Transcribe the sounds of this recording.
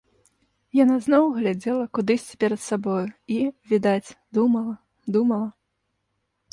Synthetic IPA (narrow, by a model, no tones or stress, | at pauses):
janaznɔwɣlʲad͡zʲɛlˠɐkud̪ɨsʲt͡sʲpʲɛɾɐt̪sabɔjuivʲid̪at͡sʲd̪umɐlˠɐ | d̪umɐlˠɐ